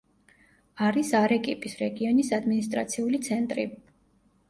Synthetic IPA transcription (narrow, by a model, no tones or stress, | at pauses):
aɾisaɾɛkʼipʼisɾɛɡiɔnisad̪minist̪ʼɾa̰t̪sʰiulit̪sʰɛnt̪ʼɾḭ